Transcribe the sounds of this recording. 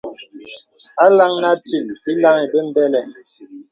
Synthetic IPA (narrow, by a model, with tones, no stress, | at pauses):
a˦la˦ŋna˦ti˨t̚i˦la˦ŋi˨be˦m̩˦bɛ˦lɛ˨